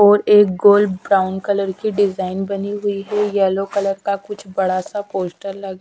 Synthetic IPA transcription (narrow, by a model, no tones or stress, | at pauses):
ɔːɾeːk̚ɡoːlɖbɾaːʊɳɖkɐləɾkiɖɪzaːɪnbɐniɦʊiɦɛjɛːlokɐləɾkakʊt͡ʃʰbɐɽasapoːsʈəɾlɐɡ